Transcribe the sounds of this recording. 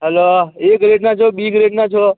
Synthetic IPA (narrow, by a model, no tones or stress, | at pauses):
ɦɛloekɾeɖnat͡ʃʰobiɡɾeɖnat͡ʃʰo